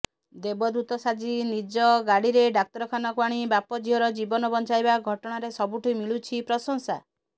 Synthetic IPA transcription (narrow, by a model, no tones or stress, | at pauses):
d̪ebɔd̪ut̪ɔsad͡ʒinid͡ʒɔɡaɽiɾeɖak̚t̪ɔɾɔkʰanɔkwaɽ̃ibapɔd͡ʒiɦɔɾɔd͡ʒibɔnɔbɔnt͡ʃajbaɡʱɔʈɔɽ̃aɾesɔbuʈʰimiɭut͡ʃʰipɾɔsɔŋsa